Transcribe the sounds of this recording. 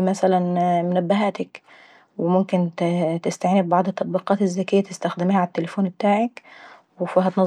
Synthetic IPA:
mæsælænmʊnæbːaɦæt̪ɪk | wɪmʊmkɪntt̪ɪst̪aʕːnɪbbɑʕd̪ˤɨt̪ːɑt̪ˤbiːqɑːt̪ɪzːækɪjːæt̪ɪst̪æxd̪ɪmːhæʕat̪ːelefuːnbɪt̪aːʕak | wɪfɪɦæt̪nɑ

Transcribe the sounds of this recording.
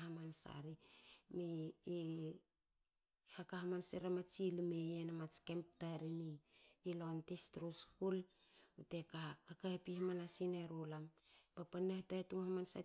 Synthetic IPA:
ɦamansa̰ɾimiː | hakahamanseɾamat͡ʃilimejenamat͡ʃkemp̚taɾiniːlontistɾuskulutekakakaepihamanasineɾulampapanːahtaetuŋhamansa̰

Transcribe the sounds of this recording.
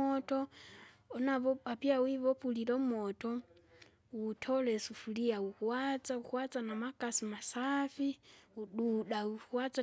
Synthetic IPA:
ɔtɔː | naβɔβapiawiβɔpulilɔmɔtɔ | wutʰɔlɛsufuliawuhuwat͡sauhwat͡sanamakʼasimasafiuɗuɗauhuwat͡sa

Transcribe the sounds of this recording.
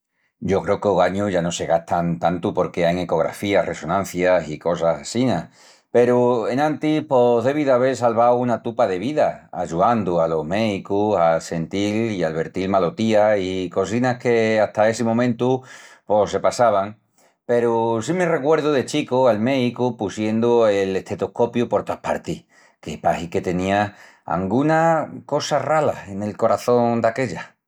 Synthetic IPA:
ɟ͡ʝo̞kɾe̞okeoɣaɲuʝano̞se̞ɣaht̪ʰant̪ant̪upo̞ɾke̞ajŋe̞ko̞ɣ̞ɾa̰fiarʔe̞so̞nãn̟θjasiko̞sasasina | pe̞ɾuenãnt̪ipoðe̞βiðaβe̞ls̬alβawunat̪upaðe̞βiðaa̰ʝuand̪ualo̞ɦme̞ðikusase̞nt̪ilialβe̞ɾt̪ilmalo̞t̪iaiko̞sinahke̞aht̪ae̞semõmẽnt̪upo̞se̞pasaβ̞aŋ | pe̞ɾusimere̞kwe̞ɾðuðe̞t͡ʃikoalme̞ðikupusje̞nd̪uele̞t̪e̞t̪ohko̞pjupo̞ɾt̪oapa̰ɾt̪ih | kepahike̞t̪e̞nĩa | a̰ŋɡunako̞sarala̰e̞ne̞lko̞ɾaθo̞nd̪ake̞ʎa

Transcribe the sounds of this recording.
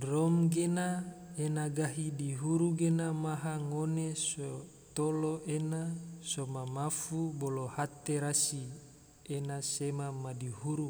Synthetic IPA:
rɔmɡenaenaɡaɦidiɦuɾuɡenamaɦaŋoneso | t̪oloʔenasomamafubolohat̪eɾasi | enasemamadihuɾu

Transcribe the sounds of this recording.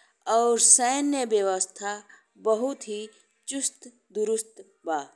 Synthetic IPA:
ɔːɾsəːnjəbjəʋəst̪ʰa | bəɦʊt̪ɦi | t͡ʃʊst̪ | d̪ʊɾʊst̪ | baː

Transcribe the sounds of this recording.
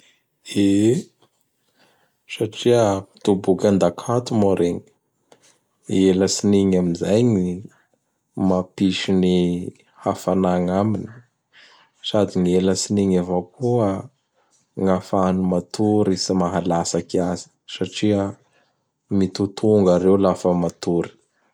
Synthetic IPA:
e | saʈ͡ʂiət̪ubukʲand̪akʰat̪umoɾeŋi | eləsiniɲaminzajɲi | mapiʃini | hafanaŋamini̥ | sad̪inieləsiniŋavakʰuə | ŋafanumat̪ʰuɾisimaɦalasakiazi̥saʈ͡ʂiə | mit̪ut̪ʰuŋɡaɾewlafəmat̪uɾi̥

